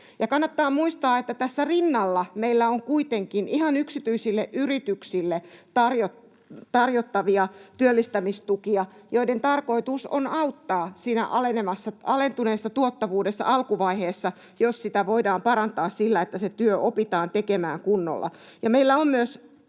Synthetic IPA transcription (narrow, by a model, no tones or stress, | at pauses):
jɑkɑnːɑt̪ːɑːmmuist̪ɑːet̪ːæt̪æsːærinːɑlːɑmeilːæoŋkuit̪eŋkinʔihɑnyksit̪yisilːeʔyrit̪yksilːet̪ɑrjo | t̪ɑrjot̪ːɑʋiɑt̪yølːist̪æmist̪ukiɑjoident̪ɑrko̞it̪uso̰nɑut̪ːɑːsiːnæ̰ʔɑlenemɑsːɑɑlent̪uneːsːɑt̪uot̪ːɑʋuːdesːɑ̰ʔɑlkuʋɑiheːsːɑ | jossit̪æʋoidɑːmpɑɾɑnt̪ɑːssilːæet̪ːæset̪yøʔopit̪ɑːnt̪ekemæːŋkunːo̰lːɑ̰ | jɑmeilːæommyøs